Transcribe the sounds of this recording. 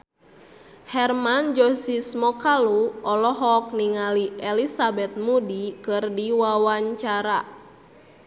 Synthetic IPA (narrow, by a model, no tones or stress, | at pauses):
hɛrmand͡ʒɔsismɔkaluɔlɔɦɔk̚niŋaliɛlisabɛt̪̚mudikɨrdiwawaɲt͡ʃaɾa